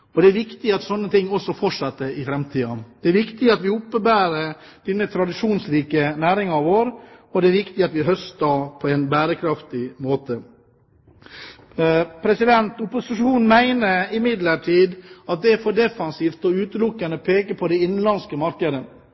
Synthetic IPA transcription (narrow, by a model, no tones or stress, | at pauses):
ɔd̪ɛæɾʋɪkt̪ɪɑt̪sɔnːət̪ʰɪŋːɔsɔfɔʂɑt̪ːəɾɪfɾɛmt̪ʰiːɑd̪̥ɛæɾʋɪkt̪ɪɑt̪ʋɪʊpːəbæːɾə | d̪̥ɛnːət̪ʰɾɑd̪ɪʂuːnsɾiːkənæːɾɪŋɑʋoːɾɔd̪ɛæɾʋɪkt̪ɪɑt̪ʋɪɦœst̪ɑpʰɔɛɪnbæːɾəkʰɾɑft̪ɪmoːt̪ə | pʰɾɛsɪd̪ɛnt̪ʊpʊsɪʂuːnn̩mæɪnəɪmɪd̪ləʈʰiːd̪ɑt̪̚d̪ɛæɾfɔɖ̪ɛfɑnsiːft̪ɔʉːt̪əlʊkːənəpʰeːkəpʰɔd̪ɛɪnnlɑnskəmɑɾkəd̪ə